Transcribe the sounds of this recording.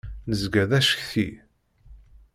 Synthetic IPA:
nəzɡæðæʃə̥çθi

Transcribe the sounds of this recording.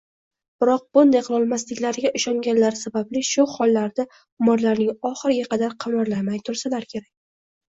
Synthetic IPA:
b̥ɪɾɒq̚bʊnd̪ajqʰɨlˠɒlˠmaslɪkʲlaɾɡʲaʔʊʃɒŋɡʲanlaɾsabablɪʃʊhɒlˠːaɾd̪a | ʊmɒɾlaɾnɪŋɒχɨɾɪɡʲaqʰɑd̪aɾqʰɑmɑɾlamajt̪ʰʊɾsalaɾkʲʰe̞ɾak̚ʲ

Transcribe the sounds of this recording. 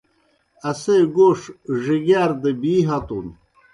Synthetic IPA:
ɐseɡoːʂʐiɡaːɾd̪ebiːɦat̪ṵn

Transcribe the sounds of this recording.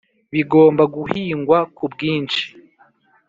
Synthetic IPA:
βiɡo̞ːmbaɡuhiːŋɡwakubɡiːnt͡ʃi̥

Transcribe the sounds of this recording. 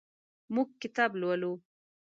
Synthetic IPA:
muɡ̚kɪt̪ɑblwalu

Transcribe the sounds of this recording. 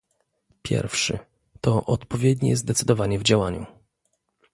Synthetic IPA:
pʲjɛ̰ɾfʂɘ̰ | t̪ɔʔɔt̪pɔvʲjɛd̪ɲɛ̰zd̪ɛt̪sɘd̪ɔvaɲɛvd͡ʑawaɲu

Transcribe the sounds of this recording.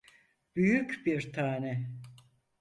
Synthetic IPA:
b̥yjycbiɾt̪ʰaːnɛ

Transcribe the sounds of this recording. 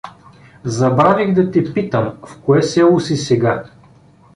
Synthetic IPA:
zɐbɾavʲiɣd̪ɐt̪ɛpit̪əmfkoɛsɛlˠʊsisɛɡa

